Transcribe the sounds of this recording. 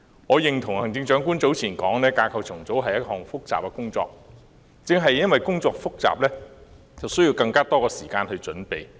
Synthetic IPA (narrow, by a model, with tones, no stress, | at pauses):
ŋɔː˨˧jɪ˨ŋt̪ʰʊ˨˩ŋhɐ˨˩ŋt͡sɪ˧ŋt͡ʃœː˨˥ŋkuː˥nt͡so˨˥wt͡sʰiː˨˩nkɔː˨˥ŋnɛː˥kaː˧kʰɐ˧wt͡sʰʊ˨˩ŋt͡so˨˥wɦɐ˨jɐ˥t̚hɔː˨˩ŋfʊ˥k̚t͡sa̰ː˨p̚ka˧kʊ˥ŋt͡sɔ̰ː˧k̚ | t͡sɪ˧ŋɦɐ˨jɐ˥nwɐ˨jkʊ˥ŋt͡sɔː˧k̚fʊ˥k̚t͡sa̰ː˨p̚lɛː˥ | t͡sɐ˨wsɵ˥ɥji˧wkɐ˧ŋkaː˥t̪ɔː˥kɔː˧siː˨˩kaː˧nhɵ˧ɥt͡sɵ˨˥npe˨j